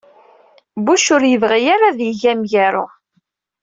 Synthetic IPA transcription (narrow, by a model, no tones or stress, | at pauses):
buʃʊɾjəvʁijaɾaðjəʝæmʝæɾʊ